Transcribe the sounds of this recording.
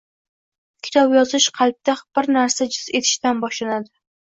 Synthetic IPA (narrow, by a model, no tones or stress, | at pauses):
kʲʰɪ̥t̪ʰɒbjɒzɪʃqʰɑlˠp̚t̪ʰaχb̥ɪɾnaɾsad͡ʒʊze̞t̪ʰɪ̥ʃt̪anbɒʃlanad̪ɪ